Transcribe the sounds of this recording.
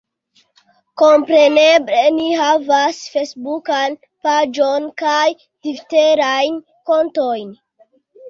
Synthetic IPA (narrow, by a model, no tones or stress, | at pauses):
ko̞mpɾe̞neble̞niɦavasfesbukan | pad͡ʒo̞nkaj | difte̞ɾajn | ko̞nto̞jn